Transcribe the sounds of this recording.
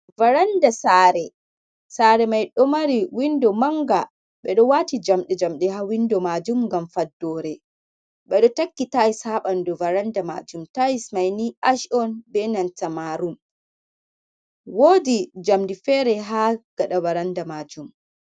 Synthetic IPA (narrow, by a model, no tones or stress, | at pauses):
vaɾandasaɾɛ | saːɾɛmajɗɔmaɾiwindɔmaŋɡa | ɓɛɗɔwaːtid͡ʒamɗɛd͡ʒamɗɛɦawindɔmad͡ʒumŋɡamfadːɔɾɛ | ɓɛɗɔtakːitaishaɓandɔvaɾandama̰d͡ʒumtajismajniʔaʃɔnbɛnantamaɾum | wodid͡ʒamdifɛɾɛɦaɡ̥aɗavaɾandamad͡ʒum